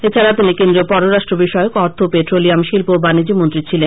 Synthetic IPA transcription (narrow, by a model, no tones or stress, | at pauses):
et͡ɕʰaɾat̪inikend̪ɾopɔɾoɾaʃʈɾobiʃɔeokɔɾt̪ʰopet̪ɾolijamʃilpobanid͡ʑimont̪ɾit͡ɕʰilen